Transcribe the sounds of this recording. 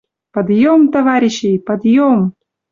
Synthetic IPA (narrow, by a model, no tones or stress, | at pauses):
pɐd̪jomt̪ɐvaɾʲɪɕːejpɐd̪jom